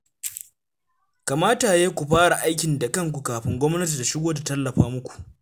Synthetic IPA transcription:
ka˨maː˦ta˨jeː˦kʷu˨ɸaː˦ɽa˨ʔa˦jk̬ʲɪ˨nda˨kɐ˦ŋk̬ʷu˨kaː˨ɸɪ˦ŋɡʷɔ˦mnɐ˦t̬i˨da˨ʃɪ˦ɡʷoː˦da˨tɐ˦lːɐ˨ɸaː˦mʊ˦kʷu̥˨ʔ

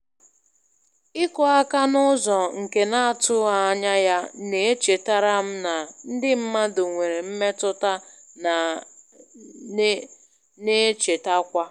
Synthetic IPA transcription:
ɪ˦kɔ˨a˦ka˦nʊ˦zɔ˨ŋ̩˨ke˨na˦a˨tʊ˦a˨˦ɲa˦ja˦ne˨e˦t͡ʃe˨ta˦ɾa˦m̩˦na˨n̩˦dɪ˦m̩˦ma˦do˨ŋʷe˨ɾe˨m̩˦me˦tʊ˦ta˦ | n˨ | ne˦t͡ʃe˨ta˦kʷa˦

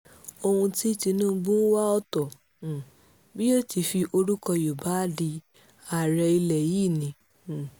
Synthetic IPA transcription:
o˧hũ˧ti˦ti˧nũ˦ɡ͡bũ˦wa˦ɔ˦tɔ˨ | bi˦o˦ti˧fi˧ʔo˧ɾu˦kɔ˧jo˨ba˨˦di˧ | a˨ɾɛ˧i˧lɛ˨ji˦˨nĩ˨˧˨

